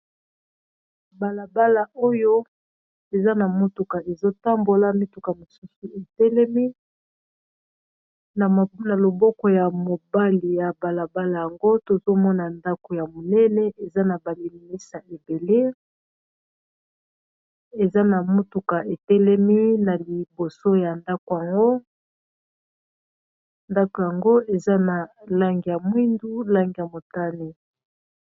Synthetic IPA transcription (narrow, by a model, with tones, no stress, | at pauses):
ba˨la˨ba˦la˨ʔo˦jo˦ | e˨za˦na˨mo˦tu˨ka˨e˨zo˦ta˦mbo˨la˦mi˦tu˨ka˨mo˨su˦su˨e˨tɛ˦lɛ˦mi˦ | na˨na˨lo˨bɔ˦kɔ˨ja˨mo˨ba˦li˨ja˨ba˨la˨ba˦la˨ja˨ŋɡo˦to˨zo˦mɔ˦na˨nda˦ko˨ja˨mo˨nɛ˦nɛ˦ʔe˨za˦na˨ba˨li˨mi˨ni˦sa˨ʔe˨be˨le˦ | e˨za˦na˨mu˦tu˨ka˨ʔe˨tɛ˦lɛ˦mi˦na˨li˨bo˨so˦ja˨nda˦ko˨ja˨ŋɡo˦ | nda˦ko˨ja˨ŋɡo˦e˨za˦na˨la˦ŋɡi˨ja˨mwi˦ndu˦la˦ŋɡi˨ja˨mo˨ta˦ne˨